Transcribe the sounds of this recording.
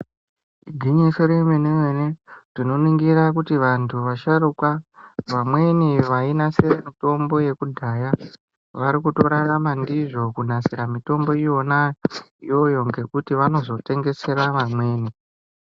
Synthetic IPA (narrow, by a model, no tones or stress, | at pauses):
iɡʱiɲisoɾemenewenetino̞niŋɡirakutiʋantʰuʋaʃaɾukwaʋamwe̞niʋainaseremito̞mbo̞je̞kudʱaja | ʋaɾikuto̞ɾaramandiʐo̞kunasiɾamito̞mbo̞ijo̞naijo̞jo̞ŋɡe̞kutiʋano̞zo̞te̞ŋɡe̞se̞ɾaʋamwe̞ːni